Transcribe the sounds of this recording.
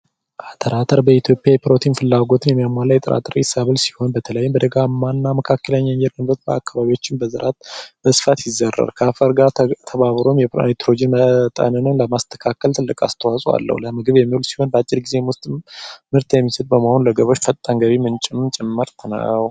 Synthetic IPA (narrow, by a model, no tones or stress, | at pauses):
ʔat̪ʰʼəɾʔat̪ʰəɾbəit̪ʰjo̞pʼjajɛpɾo̞t̪ʰinfɨlːaɡo̞t̪ʰɨnjɛmːijamʷalːajɛt̪ʼɨɾa̰t̪ʰʼəɾsaβəlsi̥ho̞nbət̪ʰələjːɪmbəd̪əɡamːanːaməkʰakːələɲːaɲd͡ʒɛɾmɨɾət̪̚bəa̰kːaβaβiwo̞t͡ʃːɪnbəzɨɾʔat̪̚bəsɨfat̪jɪzːərːa̰ɾkʰafəɾɡat̪ʰəβaβɾo̞mjɛet̪ʰɾod͡ʒenmət̪ʼə̰nənɨnləmast̪ʰə̥kʰakʰːəlt̪ʰɨlːɨkʼa̰st̪ʰəwasʼwa̰lːə̰hwləmɨɡɨβjɛmːiwulsi̥ho̞nbəat͡ʃʼːɪɾɡizewʊst̪ʼmɨɾt̪jɛmːisəd̪̚bəmaho̞nləɡəβo̞t͡ʃːfət̪ʼːaŋɡəβimɨnt͡ʃʼɪmt͡ʃʼɛmːəɾt̪ʰnə̰w